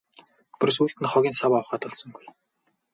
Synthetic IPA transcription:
pʊrsuːɬt̪ɘ̆nχɔɣʲiːnsawaw̆χaːt̪ɔɮsɞ̆ŋɡuj

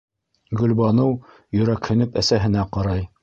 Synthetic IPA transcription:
ɡɵ̆lbɑnɤw | jɵ̆ɾækhɵ̆nɵpæsæɦɘ̆næqɑɾɑj

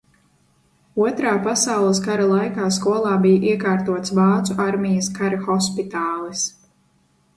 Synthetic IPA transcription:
uɔt̪ɾaːpasawlˠəs̬kaɾalˠajkaːskuɔlˠaːbijaʔiɛkaːɾt̪uɔt̪svɑːt̪suʔaɾmijɐskaɾaxɔspit̪aːlˠis

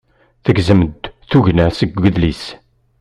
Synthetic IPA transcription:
θəɡzəməd̪θuʝnæsəɡʷəðlis

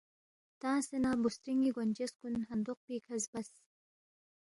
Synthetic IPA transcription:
t̪ãːsenaːbust̪ɾiŋɡiɡonʲd͡ʑeskunɦɐnd̪uq̚piːkʰɐzbɐs

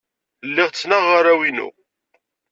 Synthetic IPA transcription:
lːɪʁt͡sːnəʁːaɾæwinṵ

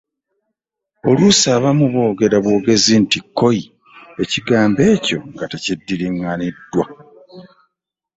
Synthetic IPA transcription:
o̞lusaːβamuβo̞ːɡe̞ɾaβwo̞ːɡe̞zintikːo̞ji | e̞ciɡaːmbe̞ːco̞ŋɡatecidːiɾiŋːanidːwa

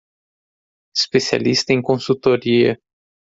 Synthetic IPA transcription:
espesia̰list̪ɐẽj̃kõsut̪oɾiɐ̰

